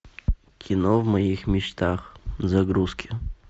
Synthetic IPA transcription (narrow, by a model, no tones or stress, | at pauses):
kʲʰinɔvmɐjixmʲit͡ʃt̪ʰaxzɐɡɾuskʲɪ